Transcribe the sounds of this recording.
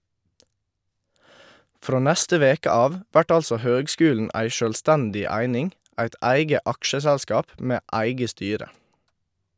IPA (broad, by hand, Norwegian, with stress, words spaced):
ˈfɾoː ˈnɛstə ˈʋeːkə ˈɑːʋ ˈʋæʈ ˈɑlsɔ ˈhøːɡˌskʉːln̩ ˈæɪ ˈʃøːlˌstɛndɪ ˈæɪnɪŋ ˈæɪt ˈæɪɡə ˈɑkʃəsɛlˌskɑːp ˈmeː ˈæɪɡə ˈstyːɾə